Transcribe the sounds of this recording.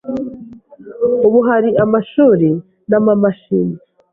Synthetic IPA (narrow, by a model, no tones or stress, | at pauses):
uβuɦaɾiʔamaʃuːɾe | namamaʃini